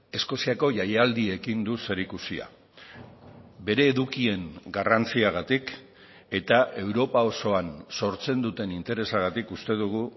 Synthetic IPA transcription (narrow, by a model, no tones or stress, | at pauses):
e̞sko̞siako̞ʝajeald̪ie̞kind̪use̞ɾikusia̰ | be̞ɾe̞ːðukie̞ŋɡarant͡siaɣ̞at̪ik | e̞t̪aʔe̞wɾo̞pao̞so̞anso̞ɾt͡se̞nd̪ut̪e̞nint̪e̞ɾe̞saɣ̞at̪ikust̪e̞ðuɣ̞u